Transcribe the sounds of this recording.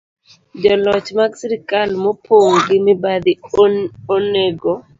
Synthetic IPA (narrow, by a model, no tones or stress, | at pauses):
d͡ʒɔlɔt͡ʃmaɡsiɾikalmɔpʰoŋɡɪmɪbad̪i | oneɡɔ